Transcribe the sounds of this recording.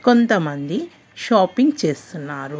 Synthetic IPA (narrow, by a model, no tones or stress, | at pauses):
ko̞nt̪ɐmɐnd̪i | ʃaːpiŋɡt͡ʃe̞ːst̪unːaːɾu